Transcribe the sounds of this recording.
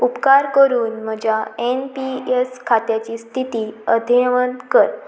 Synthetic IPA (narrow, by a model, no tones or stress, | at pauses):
upkaɾkəɾuːnm̤əd͡ʑʱaenpieskʰat̪jat͡ɕiːst̪ʰit̪iːəd̪ʱeʋənkəɾ